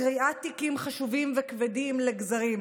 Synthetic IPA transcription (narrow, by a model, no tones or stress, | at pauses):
ʁiʔatikimχaʃuvimvekvedimleɡzaʁim